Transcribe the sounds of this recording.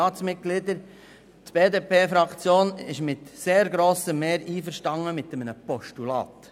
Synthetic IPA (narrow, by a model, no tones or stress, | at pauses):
ɑːt͡smɪt̚ɡ̥lɪd̪əɾ | tb̥eːdeːpʰeːfɾɑkt͡sjoːnɪʃmɪtseːɾɡɾoːsəmeːɾiːfəɾʃtɑŋːəmɪt̪əmənəpɔʃtulɑ̰ːt